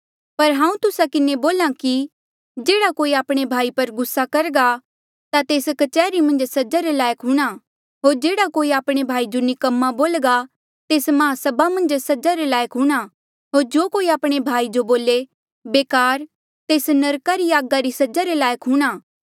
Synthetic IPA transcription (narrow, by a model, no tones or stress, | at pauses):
pɐɾɦãːũt̪ʊsakɪneboːlãki | d͡ʒeːɽakoːiaːpɽ̃ebʱaːipɐɾɡʊsːakɐɾɡa | t̪at̪eːskɐt͡ʃɛːɾimɐ̃nd͡ʒsɐd͡ʒaɾelaːjəkɦuɽ̃a | ɦoːɾd͡ʒeːɽakoːiaːpɽ̃ebʱaːid͡ʒonɪkɐmːaboːlɡa | t̪eːsmɐɦãsɐbamɐ̃nd͡ʒsɐd͡ʒaɾelaːjəkɦuɽ̃a | ɦoːɾd͡ʒoːkoːiaːpɽ̃ebʱaːid͡ʒoboːle | beːkaːɾ | t̪eːsnɐɾkaɾiaːɡaɾisɐd͡ʒaɾelaːjəkɦuːɽ̃aː